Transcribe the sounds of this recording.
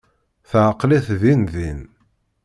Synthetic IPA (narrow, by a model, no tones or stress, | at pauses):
θʕəqliθðinðin